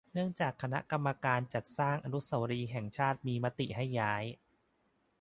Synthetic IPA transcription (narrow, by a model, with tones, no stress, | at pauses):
nɯ˥˩əŋt͡ɕaː˨˩kʰːa˧na̰˦˥ka˧mːa˧kaː˧nt͡ɕa˨˩t̪̚saː˥˩ŋʔa˧nu˦˥sa˧˩wɾiː˧ɦɛ˨˩ŋt͡ɕʰaː˥˩t̪̚miː˧ma˦˥t̪ḭ˨˩ʔɦa˥˩jːaː˦˥j